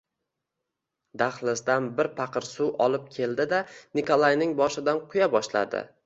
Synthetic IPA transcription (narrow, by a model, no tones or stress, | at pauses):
d̪aχlˠɪsd̪anbɪɾpʰɑqʰɨɾsuwʔɒlˠɪp̚kʲʰe̞ld̪ɪd̪anɪkʰolˠajnɪŋbɒʃɪd̪anqʰʊjabɒʃla̰d̪ɪ̰